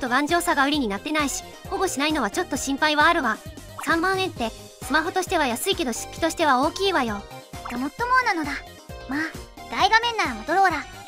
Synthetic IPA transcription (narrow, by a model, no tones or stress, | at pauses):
ot̪ːo̞ɡãɲ̟d͡ʑo̞ːsaɡaɯ̟ɾʲiɲ̟inat̪ːe̞naiɕi̥ | hoɡo̞ɕinaino̞β̞at͡ɕo̞t̪ːo̞ɕĩmpaiβaːɾɯ̟βasãmbãɰ̃ẽ̞nt̪ːe̞ | sɨmaɦo̞t̪o̞ɕi̥t̪e̞βajasɨike̞d̪o̞ɕɨ̥kʲːi̥t̪o̞ɕi̥t̪e̞ao̞ːkʲiːβajo̞ɡamo̞t̪ːo̞mo̞ːnano̞d̪a | maːd̪̥aiɡamẽ̞nːaɾamo̞d̪o̞ɾo̞ːɾa